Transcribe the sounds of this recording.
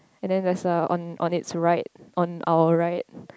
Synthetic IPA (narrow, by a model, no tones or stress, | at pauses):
ɛ̃ndɛ̃ndɛsaɔ̰̃nʔɔ̰̃nitsɹaɪt̚ʔɔ̃nʔa̰wəɹaɪt̚